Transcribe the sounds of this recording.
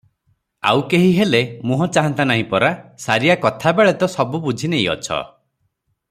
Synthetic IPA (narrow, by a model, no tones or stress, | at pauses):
a̰wkeɦiɦelemũɦɔt͡ʃaɦɔnt̪anaɦĩpɔɾasaɾijakɔt̪ʰabeɭet̪ɔsɔbubud͡ʒʱinej̃ɔ̰t͡ʃʰɔ̰